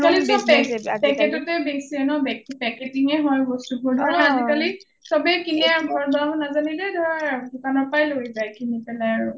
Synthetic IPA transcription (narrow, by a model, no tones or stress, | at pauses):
kalisɔpɛpɛkɛtɔtejbesiɛnɔbɛkpɛketiŋɛɦɔjbɔstubɔɹdʱɔaazikali | sɔbɛkinɛaɹubʱɔɹbaɦɔnazanilɛdʱɔɹadukanɔɹpajlojzajkʰinipɛlaaɹu